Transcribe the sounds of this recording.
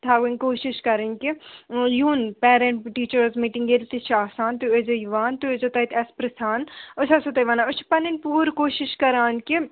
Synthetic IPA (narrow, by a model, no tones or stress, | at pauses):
t̪ʰaːɡeŋkoːʃiʃkɐɾenkijuːnpɛːɾeɳʈʈiːt͡ʃəɾzmiːʈiŋɡelt̪it͡ʃʰaːsaːnt̪uezojʋaːnt̪uezot̪ɐjt̪ɐspɾɐsaːnot͡ʃʰɐsot̪ɐjʋaːnaot͡ʃʰi̥pɐninpuːɾkoːʃiʃkɐɾaːnki